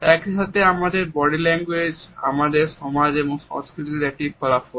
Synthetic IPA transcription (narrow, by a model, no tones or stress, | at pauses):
ɛkʃat̪ʰeamad̪eɾbɔɽilɛŋɡwed͡ʑa̰mad̪eɾʃɔmad͡ʑeboŋʃɔ̰ŋskɾit̪iɾɛk̚ʈikʰɔlafo